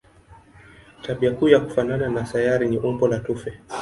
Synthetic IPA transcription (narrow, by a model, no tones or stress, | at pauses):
taɓiakuːjaku̥fanananasajaɾiniʔumbɔlatufɛ